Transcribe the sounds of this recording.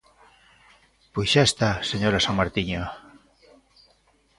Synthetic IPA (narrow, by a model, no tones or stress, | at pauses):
pojsʃaest̪aseɲoɾasaŋmaɾt̪iɲo